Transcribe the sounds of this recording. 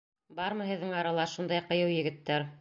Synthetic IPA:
bɑɾmɤɦɘ̆ðːɘŋɑɾɑlˠɑʃund̪ɑjqɤ̆jɤwjɘ̆ɡɘ̆t̪ːæɾ

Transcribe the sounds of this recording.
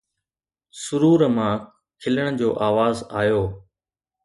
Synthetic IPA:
sʊɾuːɾmãː | kʰɪləɽ̃d͡ʑoːʔaːʋaːzaːjoː

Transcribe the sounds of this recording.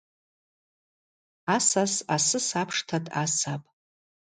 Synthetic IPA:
asasasɨsapʰʂtʰatʼa̰sapʼ

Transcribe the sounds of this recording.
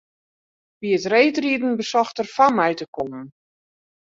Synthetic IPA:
ʋiətreːtridn̩bəsɔxtərfanmɛjtəkomən

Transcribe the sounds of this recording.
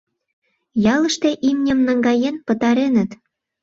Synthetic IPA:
jɑləʃt̪eʔimnʲə̆mnɑŋɡɑjenpə̆t̪ɑɾenət̪

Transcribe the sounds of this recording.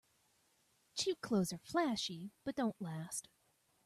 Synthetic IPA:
t͡ʃʰikʰl̥oʊz̥ə˞flæʃib̥ʌt̚d̥õʊ̃nʔlæst

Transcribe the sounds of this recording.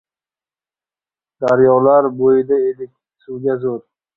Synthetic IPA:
d̪̥aɾjɒlaɾbojɪd̪aed̪ɪk̚ʲ | suwɡʲazoɾ

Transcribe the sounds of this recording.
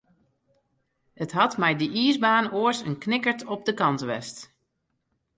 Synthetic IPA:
ətɦɑtmɛjdəʔiəzbaːnoəsənknɪkəɹtʰɔp̚dəkɑntʋɛ̰st

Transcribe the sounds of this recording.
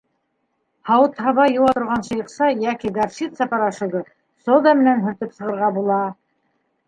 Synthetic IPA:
hɑwɤt̪hɑβɑjuwɑt̪ŏɾʁɑnʃɤ̆jɤ̆qsɑjækiɡɑɾʃit̪sɑpɑɾɑʃɵ̆ɡɤ | sod̪ɑmɘ̆nænɦɵ̆ɾt̪ɘpsɤ̆ʁɤ̆ɾʁɑbulˠɑ

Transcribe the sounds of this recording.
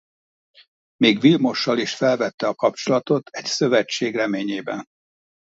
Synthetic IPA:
meːɡʋilmo̞ʃːɒliʃfɛlvɛt̪ːɛɒkɒp̚t͡ʃo̞lɒt̪o̞t̪ʰɛcsø̞vɛt͡ʃːeːɡrɛmeːɲeːbɛn

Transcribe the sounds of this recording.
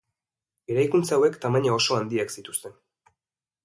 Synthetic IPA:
eɾajkunt͡sawe̞kt̪amaɲao̞ʃo̞and̪iaksit̪u̥st̪e̞n

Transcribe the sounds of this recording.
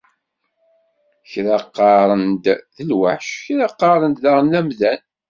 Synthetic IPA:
çɾɑqːɑɾˤənd̪ðəlwa̰ħʃçɾɑqːɑɾˤənd̪ðɑʁnæmðæn

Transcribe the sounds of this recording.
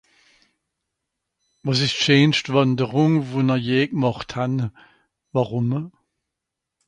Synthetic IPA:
vɔs̬ɪstt͡ʃeːnʃtvɑndəʁʊŋvunəjeːk̚mɔχthan | vaʁʊmə

